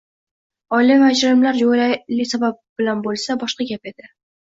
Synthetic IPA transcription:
ɒjlimad͡ʒɾɪmlaɾjoɾalɪsabap̚b̥ɪlanbolˠsabɒʃqɑɡʲape̞d̪ɪ

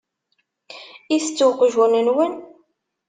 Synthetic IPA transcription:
iθət͡sːuwqʒunənwən

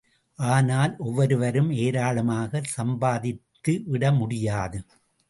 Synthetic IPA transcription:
ʔaːnaːlʔɔʋːɐɾɯʋɐɾɯmeːɾaːɭɐmaːɣɐsɐmbaːðɪt̪ːɯʋɪɽɐmʊɽɪjaːðɯ

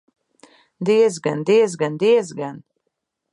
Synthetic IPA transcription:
d̪iɛzɡand̪iɛzɡand̪iɛzɡan

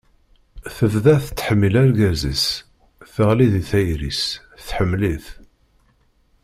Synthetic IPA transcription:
θəvðæθt͡sːħəmːilæɾɡæzḭs | θəʁliðiθæjɾḭs | θħəmːliθ

